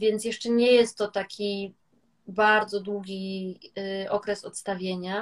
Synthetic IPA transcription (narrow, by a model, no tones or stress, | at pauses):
vʲjɛnt̪jɛʂt͡ʂɛɲɛjɛst̪ːɔt̪akʲʰi | baɾd̪zɔd̪wuɡʲi | ɔkɾɛsɔt̪st̪avʲjeɲa